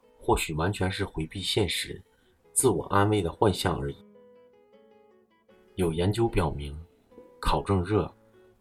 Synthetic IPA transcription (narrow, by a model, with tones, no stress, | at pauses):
xwɔ˥˩ɕy˨˩wa˧˥nt͡ɕʰɥɛ˧˥nʂɻ̩˥˩xwe˧˥ɪpi˥˧ɕjɛ˥˩nʂɻ̩˧˥ | t͡sɹ̩˥˩wɔ̰˨˩ʔa˥nwe˥˩ɪd̪ə˩xwa˥˧nɕjɑ˥˩ŋə˞˧˥i˨˩˦ | jo˨˩ʊjɛ˧˥nt͡ɕjo˥ʊpjɑ˨˩ʊmi˧˥ŋ | kʰɑ˨˩ʊʈ͡ʂɤ˥˧ŋɻɤ˥˩